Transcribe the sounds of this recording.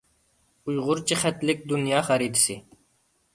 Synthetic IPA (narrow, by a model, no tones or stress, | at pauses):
ujʁʊɾt͡ɕixɛt̪lik̚d̪unjaːxɐɾiːd̪si